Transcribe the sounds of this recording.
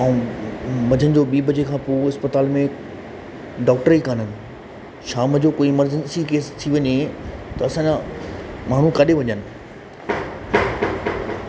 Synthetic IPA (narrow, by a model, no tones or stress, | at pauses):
ɐ̃ũmɐd͡ʑʱənɪ̆d͡ʑoːɓiːbɐd͡ʑekʰãːpoːɪspət̪aːlmẽ | ɖɔːk̚ʈəɾikan̤ənɪ̆ | ʃaːmd͡ʑoːkoːimɐɾd͡ʑənsikeːst̪ʰiʋɐɲet̪ɐɐsãːɲa | maːɳ̤ũkɐɗeʋɐɲənɪ̆